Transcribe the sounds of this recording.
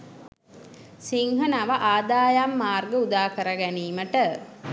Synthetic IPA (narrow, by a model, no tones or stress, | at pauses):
siŋɦənaʋaʔaːd̪aːjamːaːrɡəud̪aːkəɾəɡæniːməʈə